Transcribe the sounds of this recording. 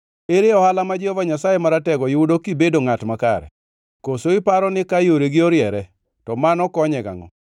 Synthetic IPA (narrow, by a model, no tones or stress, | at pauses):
eɾeɔhalamad͡ʒɪɔvaɲasajemaɾatɛɡɔjɪudokibedoŋatmaka̰ɾɛ̰ | kosoɪpaɾɔnɪkajoɾeɡɪoɾjɛɾɛ | tɔmanɔkɔɲɛɡa̰ŋɔ̰